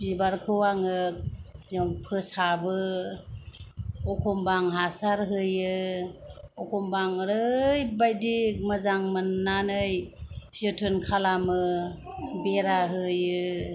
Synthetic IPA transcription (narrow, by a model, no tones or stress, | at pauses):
bzibaɾkʰɯwaŋɯk̚zɔŋpʰɯsabɯ | ɔkʰɔmbaŋɦasaɾɦɯjɯ | ɔkʰɔmbaŋɾɯjbajdik̚mɯzaŋmɯnːanɯjsɯtʰɯnkʰalamɯ | beɾaɦɯjɯ